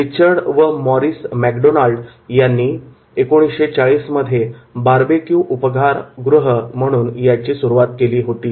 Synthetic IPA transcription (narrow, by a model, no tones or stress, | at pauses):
ɾit͡ɕəɾɽʋəmɔɾiːsmækɖonalɖ | janːiː | ekoɽ̃isɕet͡saɭiːsməd̪ʱjebaɾbekjũːʔupəɡʱaɾɡɾuɦəm̤əɽ̃uːnjat͡ɕiːsuɾuʋat̪keliːɦot̪iː